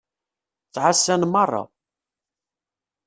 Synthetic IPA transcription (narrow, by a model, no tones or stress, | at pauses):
t͡sːʕasːænmɑrˤːɑ̰